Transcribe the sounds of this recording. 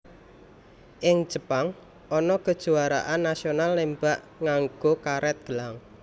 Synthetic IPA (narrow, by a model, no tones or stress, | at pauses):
ʔɪŋ̥ʒ̥əpaŋ | ʔɔnɔkəd̥ʒ̥uaɾa̰ʔanːasionalːembaʔ | ŋaŋɡ̥okaɾɛt̪̚ɡ̥əlaŋ